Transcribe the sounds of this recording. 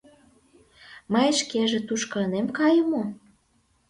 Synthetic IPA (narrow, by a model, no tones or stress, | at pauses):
məjʃkeʒĕt̪uʃkɤlnemkɑjə̆mo